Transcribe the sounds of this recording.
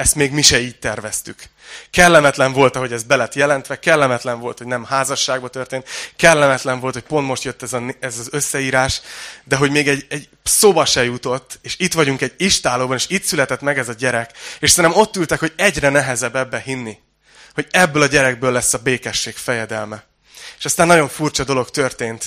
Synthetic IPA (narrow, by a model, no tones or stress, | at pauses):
ɛst̪meːɡmiʃɛiːt̚t̪ɛrvɛst̪yk | kɛlːɛmɛt̪lɛɱvo̞lt̪ɒɦo̞ɟɛzbɛlɛt̪jɛlɛnt̪ʋɛkɛlːɛmɛt̪lɛɱvo̞lt̪ho̞ɟnɛmhaːzɒʃːaːɡbɒt̪ørt̪eːnt̪kɛlːɛmɛt̪lɛɱvo̞lt̪ho̞c̚po̞nt̪mo̞ʃt̪jøt̪ːɛzɒnɛzɒzøsːɛiːɾaːʃd̪ɛɦo̞ɟmeːɡɛɟɛɟ | soːbɒʃɛjut̪o̞t̪ːeːʃit̪ʋɒɟuŋkɛɟiʃt̪aːloːbɒneːʃit̪sylɛt̪ɛt̪mɛɡɛzɒɟɛɾɛkeːʃsɛnɛmo̞t̪ːylt̪ɛkho̞ɟɛɟrɛnɛɦɛzɛbːɛbːɛɦinːi | ho̞ɟɛbːøːlɒɟɛɾɛɡ̚bøːlːɛsːɒbeːkɛʃːeːkfɛjɛd̪ɛlmɛ | eːʃɒst̪anːɒɟo̞ɱfurt͡ʃɒd̪o̞lo̞kt̪ørt̪eːnt̪